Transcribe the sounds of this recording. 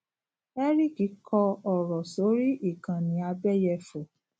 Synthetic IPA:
ɛ˦ɾi˦˨ki˨˦kʰɔ˧ɔ˨ɾɔ˨so˨˦ɾi˦ʔi˦˨kã˨nĩ˨˦a˧bɛ˦˨jɛ˧fo˨

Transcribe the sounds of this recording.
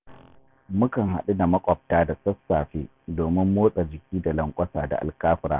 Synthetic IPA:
mʊ˦kɐ˨ŋɦa̰˨ɗu˦na˨mɐ˦kʷʼɔ˨p̚taː˦da˨sɐ˦sːaː˨ɸeː˦ | doː˨mɪ˦mːoː˦sʼa˨d͡ʒɪ˨kʲiː˦da˨lɐ˨ŋkʷʼɐ˦saː˨da̰˨ʔa̰˨lkaː˦ɸɪ˦ɾa̰ː˦˨

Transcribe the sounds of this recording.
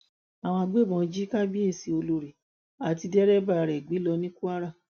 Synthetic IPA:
a˨w̃ɔ̃˧a˧ɡ͡be˦˨bɔ̃˧˦˧d͡ʒi˦ka˦bi˦e˦˧˨si˧o˧lo˧ɾi˨ | a˨ti˧dɛ˦ɾɛ˦˨ba˦˧ɾɛ˨ɡ͡bi˨˦lɔ˧nĩ˦ku˦a˦ɾa˦˨

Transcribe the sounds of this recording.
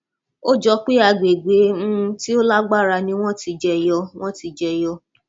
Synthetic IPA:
o˦d͡ʒɔ˧k͡pi˦a˧ɡ͡be˨ɡ͡be˨˦ñ̩˦ti˦o˦la˦ɡ͡ba˦˨ɾa˧nĩ˧w̃ɔ̃˦ti˧d͡ʒɛ˧jɔ˧w̃ɔ̃˦ti˧d͡ʒɛ˧jɔ˧

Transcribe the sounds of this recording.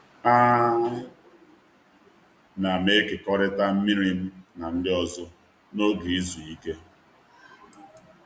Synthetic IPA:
a˦ | na˨me˦ke˨kɔ˦ɾɪ˦ta˦m̩˦mi˦ɾi˦m̩˦na˨n̩˦dɪ˦ɔ˦zʊ˦ | no˦ɡi˨i˦zu˨i˦ke˦

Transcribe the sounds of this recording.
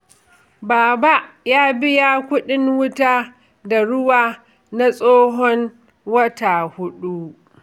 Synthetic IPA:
baː˨ba˦ʔjaː˦bɪ˦jaː˦kʷʊ˦ɗɪ˦ŋwʊ˦taː˦ | da˨ɽʊ˦waː˨ | na˦sʼoː˦ɦɔ˦n | wɐ˦taː˨hʊ˦ɗu˦

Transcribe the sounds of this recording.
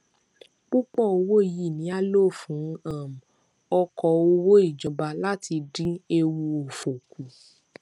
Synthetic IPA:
k͡pu˦k͡pɔ˦˨o˧wo˦i˨ji˦˨nĩ˨˦a˦lo˦˨fũ˨˦ã˦˨m̩˨ | ɔ˧kɔ˨o˧wo˦i˦˨d͡ʒɔ̃˨ba˨˧la˦ti˧dĩ˦e˧wu˧o˨fo˨ku˨

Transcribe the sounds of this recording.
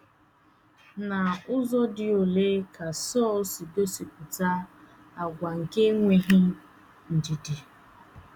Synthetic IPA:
na˨ʊ˦zɔ˦dɪ˦o˨le˦ka˨sɔː˦˨lsi˨do˦si˨k̚ʷʊ˨ta˦ | a˨ɡʷa˨ŋ̩˨ke˦ŋʷe˦ɦɪ˦ | n̩˨di˨di˨

